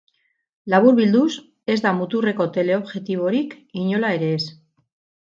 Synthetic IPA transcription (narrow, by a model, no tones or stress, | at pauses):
laβ̞uɾβild̪us | e̞zd̪amut̪ure̞ko̞t̪e̞le̞o̞βʝe̞t̪iβ̞o̞ɾikiɲo̞lae̞ɾe̞ːs